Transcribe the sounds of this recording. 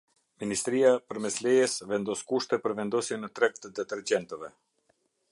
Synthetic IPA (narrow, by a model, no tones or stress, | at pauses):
minist̪ɾiapəɾmɛslɛjɛsvɛnd̪ɔskuʃt̪ɛpəɾvɛnd̪ɔsjɛnət̪ɾɛk̚t̪əd̪ɛt̪ɛɾd͡ʑɛnt̪əvɛ